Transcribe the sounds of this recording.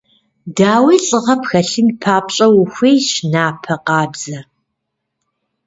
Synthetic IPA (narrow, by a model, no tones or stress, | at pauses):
daːwiːɬʼɨʁɐpxɐɬɨnpʰaːpɕʼɐwʊxʷejɕnaːpʰɐqɑːbz̥ɐ